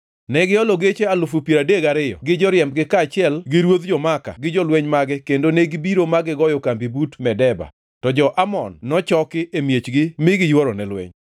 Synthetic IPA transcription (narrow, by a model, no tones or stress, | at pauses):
nɛɡɪɔloɡet͡ʃealʊfupjeɾadeɡaɾɪjɔ̰ɡɪd͡ʒɔɾɪjɛmb̚ɡɪkat͡ʃɪɛlɡɪɾwot̪d͡ʒɔmaka̰ɡɪd͡ʒɔlweɲmaɡɛkendoneɡibiɾomaɡɪɡɔjɔkambibutmɛdɛba̰ | tɔd͡ʒɔʔamɔ̰nːɔt͡ʃɔkɪʔemjet͡ʃɡɪmɪɡɪjwɔɾɔnɛlwḛɲ